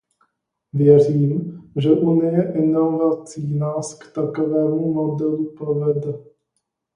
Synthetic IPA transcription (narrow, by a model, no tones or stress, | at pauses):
vjɛr̝iːmʒɛʔunɪjɛʔɛnovat͡siːnaːskt̪akovɛːmumodɛlupɾovɛdɛ